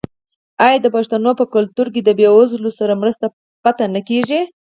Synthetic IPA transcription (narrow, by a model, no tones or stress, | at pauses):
ɑjad̪əpaʂt̪anopəkʊlt̪uɾk̬id̪əbjeʊzlosaɾamɾəst̪a | pat̪anəkeʒi